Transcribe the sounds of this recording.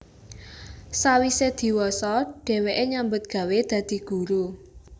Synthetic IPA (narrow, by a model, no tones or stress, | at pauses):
sawised̪̥i̤wɔsɔɖ̥ɛ̤weʔeɲambʊt̪̚ɡ̥ä̤wed̪̥ä̤d̪̥i̤ɡ̥ṳɾu